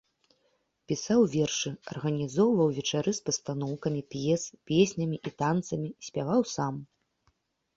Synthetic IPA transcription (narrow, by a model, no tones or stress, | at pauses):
pʲisawvʲɛrʂɨɐ̰rɣɐnʲizɔwvɐwvʲɛt͡ʂaɾɨspɐst̪anɔwkɐmʲipʲjɛspʲesʲnʲɐmʲiʔit̪ant̪sɐmʲisʲpʲavawsam